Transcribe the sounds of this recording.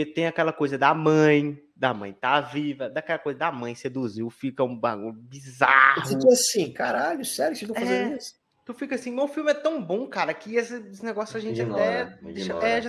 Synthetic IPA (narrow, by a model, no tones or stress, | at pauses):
et̪ẽj̃akɛlɐkojzɐd̪ɐmɐ̃j̃ | d̪ɐmɐ̰̃j̃t̪avivɐd̪akɛlɐkojzɐd̪amɐ̃j̃sed̪uziwfiʎkɐũbãɡõbizahit̪iasĩkaɾaʎʊsɛɾʊsɪt̪ɐ̃faẽnd̪is | t̪ufikɐasĩmẽʊfiwmɪɛt̪ɐ̃w̃bõkaɾɐkɪesɪsɪnɛɡɔsjʊɐʒẽnt͡ʃɪat̪ɛd̪eʃɐɛʒ̃